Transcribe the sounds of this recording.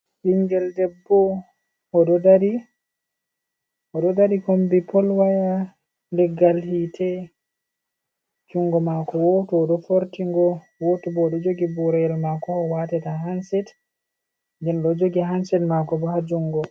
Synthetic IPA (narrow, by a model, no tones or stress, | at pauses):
ʔiŋɡɛldɛbːɔ | ɔɗɔdaɾi | ɔɗɔdaɾikombipɔlwaja | nlɛɡːalhitʰɛ | d͡ʒuŋɡɔmakɔwɔtɔɗɔfoɾtiŋɡɔ | wotubɔɗɔd͡ʒoɡibuɾɛjɛlmakɔːwatɛtaɦansɛt | dɛnɗɔd͡ʒoɡiɦansɛtmakɔbɔhad͡ʒuŋɡɔ